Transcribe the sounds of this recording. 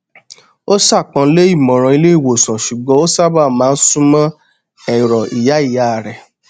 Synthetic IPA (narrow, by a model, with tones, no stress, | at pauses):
o˦sa˦˨k͡pã˧˦le˦i˦˨mɔ̃˨ɾ̃ɔ̃˨˧i˧le˦i˦˨wo˨sã˨ʃu˨ɡ͡bɔ̃˨˦o˦sa˦ba˦˨mãː˨˦n̩˦sũ˦mã˦ | ɛ˨ɾɔ˨i˨ja˨˦i˦˨ja˦˨ɾɛ˨